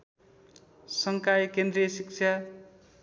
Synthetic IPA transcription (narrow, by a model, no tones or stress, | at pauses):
sʌŋkajkend̪ɾijʌsik̚t͡ʃʰa